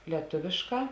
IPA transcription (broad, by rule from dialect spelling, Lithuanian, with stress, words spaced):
lʲiɛˈtʊʋʲeːʃˌkɑː